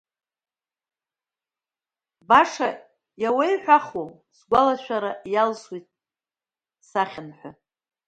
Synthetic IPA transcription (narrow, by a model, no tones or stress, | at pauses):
baʂa | jawajħʷᶣaχwow | sɡʷalaʃʷᶣaɾajalswijtʼ | saχʲanħʷᶣa